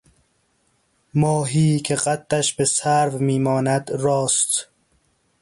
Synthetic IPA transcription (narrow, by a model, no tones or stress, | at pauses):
mɒːɦiːkʰeɣæt̪ːæʃbesæɾvmiːmɒːnæd̪ɾɒːst̪